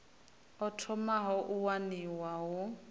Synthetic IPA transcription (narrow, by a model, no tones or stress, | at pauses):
ɔtʰɔmaɦɔʔuwaniwaɦʊ